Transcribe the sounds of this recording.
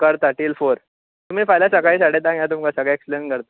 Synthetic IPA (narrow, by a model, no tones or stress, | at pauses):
kəɾt̪aʈiːlfoɾ | t̪um̤iːfajljasəkaiːsaɽet̪ãŋjat̪umkasəɡɭɛeksplenkəɾt̪ḁ